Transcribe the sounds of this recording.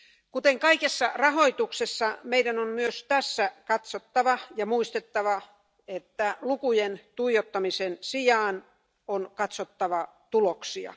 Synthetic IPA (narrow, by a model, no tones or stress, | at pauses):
kut̪eŋkɑikesːɑrɑɦo̞it̪uksesːɑmeidænommyøst̪æsːækɑt̪sot̪ːɑʋɑjɑmuist̪et̪ːɑʋɑ | et̪ːælukujent̪uijot̪ːɑmisensijɑːn | onkɑt̪sot̪ːɑʋɑ | t̪uloksiɑ̰